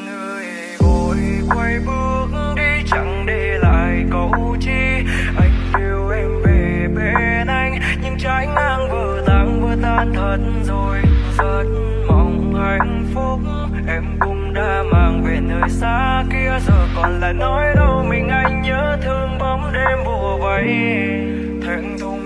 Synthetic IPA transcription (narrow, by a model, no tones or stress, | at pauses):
nəj | vokwajɓɨək̚ŋ̩ɗit͡ɕa̰ŋɗela̰ːjkəwt͡ɕiʔajŋ̟ʔiəwʔɛmve | ɓe | nʔajŋ̟ | ɲɨŋt͡ɕajŋ̟ʔaːŋvəːzaːŋkut̪aːnt̪ʰət̚nzojzəːt̚ | məwŋ͡m | ʔajŋ̟fʊk͡p̚ | ʔɛmkʊŋ͡mɗaːmaːŋvenəːjsaː | kiəzəːjkɔnlaːnːɔjɗəwmïŋ̟ʔajŋ̟ɲəːt̪ʰɨəŋɓəmɗemɓuəvəj | t̪ʰaŋ̟t̪ʊ